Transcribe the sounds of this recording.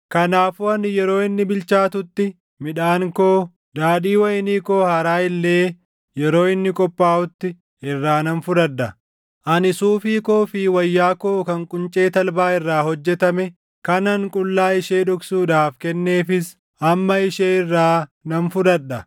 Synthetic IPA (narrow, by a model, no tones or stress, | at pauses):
kɐnaːfuːɐnɪjɛɾo̞ːɪnːɪbɪlt͡ʃaːt̪ʊt̪ːɪ | mɪᶑaːŋkoː | d̪aːᶑiːwɐjɪniːkoːhɐɾaːɪlːeː | jɛɾo̞ːɪnːɪkʼɔpʼːaːʊt̪ːɪ | ɪrːaːnɐnfʊdɐᶑːɐ | ʔɐnɪsuːfiːkoːfiːwɐjːaːkoːkɐŋkʼʊnt͡ʃʼeːt̪ɐlbaːɪrːaːhɔd͡ʒːɛt̪ɐmɛ | kɐnɐŋkʼʊlːaːɪʃeːᶑʊksuːᶑaːfkɛnːe̞ːfɪs | ɐmːɐɪʃeːɪrːaːnɐnfʊdɐᶑːɐ